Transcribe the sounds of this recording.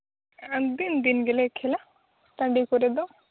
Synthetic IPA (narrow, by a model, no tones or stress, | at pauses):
d̪ind̪inɡelekʰːela | t̪ɐ̃ɳɖikoɾed̪o